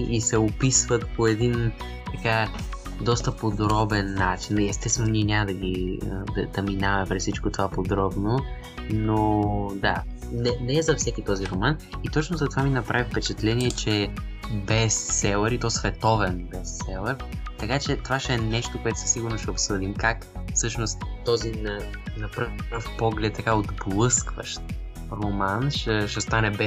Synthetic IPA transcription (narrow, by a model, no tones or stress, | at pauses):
isɛopisvət̪poɛd̪in | t̪ɐka | d̪ɔst̪əpod̪ɾɔbɛnːat͡ʃiniɛst̪ɛst̪vɛnoniɛnʲaməd̪ɐɡ̟iə̰d̪ɐd̪̥ɐminavmɛpɾɛssit͡ʃkot̪ovapod̪ɾɔbno | nod̪a̰nɛnɛzɐfsɛkit̪ɔziɾomanit̪ɔt͡ʃnozɐt̪ovaminɐpɾavifpɛt͡ʃɛt̪lɛniɛt͡ʃɛbɛsːɛlˠəɾit̪ɔsvɛt̪ɔvɛnbɛsːɛlˠəɾt̪ɐkat͡ʃɛt̪ovaʃɛɛnɛʃt̪okoɛt̪ʊ̥sə̥siɡʊɾnoʃɛopsɤd̪imkakfsɤʃnost̪ːɔzinɐ | nɐpɾəvpɾəfpɔɡlɛt̪ːɐkaod̪blˠɤskvə̰ʃt̪ | ɾomanʃɛʃɛst̪anɛbɛ